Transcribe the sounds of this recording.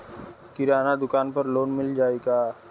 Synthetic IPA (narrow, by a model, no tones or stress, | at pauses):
kɪɾaːnad̪ʊkaːnpɐɾloːnmɪld͡ʒaːeːɡaː